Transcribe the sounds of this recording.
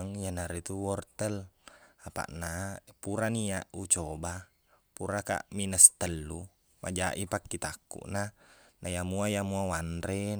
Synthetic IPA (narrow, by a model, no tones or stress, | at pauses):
ŋjanaɾit̪uwɔrt̪əlapa̰ʔnapuɾaniaʔut͡ʃoba | puɾaka̰ʔminəst̪əlːu | ma̰d͡ʒaʔipakːit̪akːṵʔnanajamuajamuawanɾe